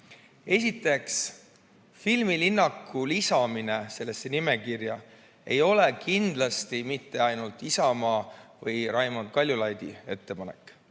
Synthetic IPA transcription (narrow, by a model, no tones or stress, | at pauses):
e̞s̬ʲit̪ːˑe̞ks | filmilinːɑkːulisɑmine̞se̞lːe̞sːe̞nime̞kirjɑ | e̞̰jo̞le̞kind̪̥lɑst̪imit̪ːe̞ɑjnult̪ˑisɑmɑːvɤjɾɑjmond̪̚kɑlʲjulɑjd̪̥ḭe̞t̪ːe̞pɑne̞̰kːˑ